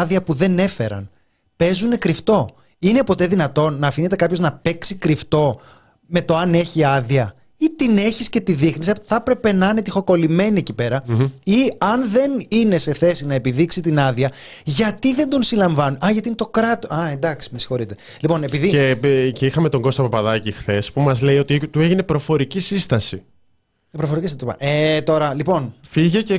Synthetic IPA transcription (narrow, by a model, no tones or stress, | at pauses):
ðiɐpuðe̞ne̞fe̞̰ɾɐ̰n | pe̞zune̞kɾift̪o̞ | ine̞po̞t̪e̞ðinɐt̪o̞nːɐːfinet̪̬ekɐpço̞znɐpe̞ksikɾift̪o̞ | me̞t̪o̞ɐne̞çiɐðiɐ | it̪ine̞çisce̞t̪iðixnisɐθɐpɾe̞pe̞nɐɐne̞t̪ixo̞ko̞lime̞nie̞cipe̞ɾɐiɐnðe̞nine̞se̞θe̞sinɐe̞piðiksit̪inɐðiɐ | ʝɐt̪iðe̞nd̪o̞nsilɐɱvɐnuʔɐʝɐt̪inet̪o̞kɾɐt̪oɐend̪ɐksi̥misi̥xo̞ɾit̪e̞ | lipo̞nepiðieceixɐme̞t̪o̞ŋɡo̞st̪opɐpɐðɐcixθe̞spumɐzle̞ijo̞t̪it̪ue̞ʝine̞pɾo̞fo̞ɾicisist̪ɐsi | pɾofo̞ɾicist̪ɐ̰et̪o̞ɾɐlipo̞nfiʝece